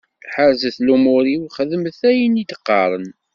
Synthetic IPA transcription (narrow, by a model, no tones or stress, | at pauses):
θħəɾzəθlumʊɾiwχəðəməθæjənid̪əqːɑɾˤən